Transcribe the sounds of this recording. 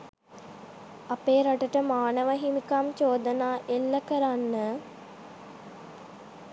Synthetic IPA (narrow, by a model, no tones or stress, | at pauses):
apeːɾaʈəʈəmaːnəʋəɦimikamt͡ʃoːd̪ənaːʔelːəkəɾanːə